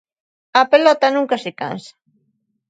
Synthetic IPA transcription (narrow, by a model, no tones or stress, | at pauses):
ɐpelɔt̪ɐnũŋkasɪka̰nsḁ